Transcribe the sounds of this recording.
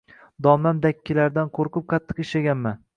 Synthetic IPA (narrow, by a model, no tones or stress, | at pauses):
d̪ɒmlamd̪akʲːɪlaɾd̪anqʰoɾqʰɨp̚qʰɑt̪ʰːɨ̥qɪʃlaɡʲanman